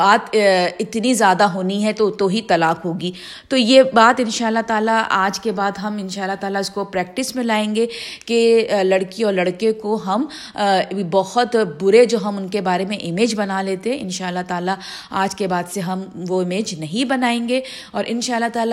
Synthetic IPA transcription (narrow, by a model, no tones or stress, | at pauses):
aːt̪ɪt̪nizjaːd̪aɦoːniɦɛt̪ot̪oɦit̪ɐlaːkɦoːɡiː | t̪ojeːbaːt̪ɪnʃaːəlːat̪aːlaʔaːd͡ʒkebaːd̪ɦɐmɪnʃaːlːat̪aːlaʊskopɾɛːk̚ʈɪsmɪ̃laːẽːŋɡekelɐɽkiɔːɾlɐɽkekoɦɐm | bɐɦʊt̪bʊɾed͡ʒoːɦɐmʊnkebaːɾemẽʔɪmeːd͡ʒbɐnaleːt̪eɦɛ̃ɪnʃaːəlːaɦt̪aːla | aːd͡ʒkebaːd̪seɦɐmʋoɪmeːd͡ʒnɐɦĩbɐnaːẽːŋɡe | ɔːɾʔɪnʃaːlːaɦt̪aːla